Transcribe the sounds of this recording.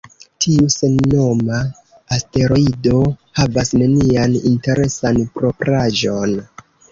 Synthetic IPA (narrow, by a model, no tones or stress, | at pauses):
tʰiuse̞nːo̞maː | ste̞ɾo̞ido̞havasne̞nianinte̞ɾe̞sanpɾo̞pɾaʒo̞n